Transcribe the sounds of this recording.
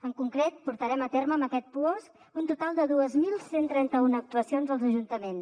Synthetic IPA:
əŋkuŋkɾet̪̚puɾt̪əɾɛmət̪erməːməkɛt̪̚puos | unt̪ut̪alˠd̪əðuəzmilˠsent̪ɾɛnt̪əunək̚t̪uəsionzəlˠzəʒunt̪əmens

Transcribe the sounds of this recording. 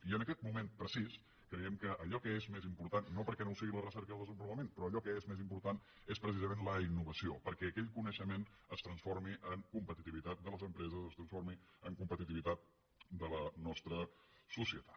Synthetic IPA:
iənəkɛt̪̚mumempɾəsis | kɾəjɛmkəʔːʎɔkəezmezimpuɾt̪anːopəɾkɛnowsiɣilərəsɛɾkəðəlˠd̪əzəmbuləmenpɾɔəʎɔkəezmezimpuɾt̪an | espɾəs̬izəmẽnləinːuβəsiopəɾkɛːkɛʎkunəʃəmenəst̪ɾənsfoɾmiʔəŋkumpət̪it̪iβit̪at̪̚d̪ələzəmpɾɛzəzəst̪ɾənsfoɾmiəŋkumpət̪it̪iβit̪at̪̚ | d̪ələnɔst̪ɾəsusiət̪ḁt̪

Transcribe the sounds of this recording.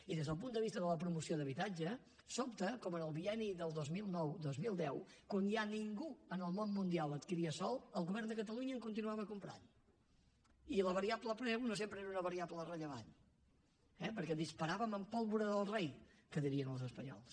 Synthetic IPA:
iðezðəlˠp̬und̪əβ̞ist̪əðələp̬ɾumusioðəβit̪ad͡ʒə | sɔp̚t̪əkɔmənəlˠβiɛniðəlˠd̪ozmilˠnɔwd̪ozmilˠd̪ɛwkwanjaniŋɡuənəlˠmonmund̪ialˠət̪kiɾiəsɔlˠəlˠɣuβɛrnd̪əkət̪əluɲəːŋkunt̪inuaβəːkumpɾa̰n | iləβəɾiabləpɾɛwnosempɾəeɾunəβəɾiablərəʎəβan | ɛpəɾkɛðispəɾaβəməmpɔlˠβuɾəðəlˠrej | kəðiɾiənəlˠzəspəɲɔ̰lˠs

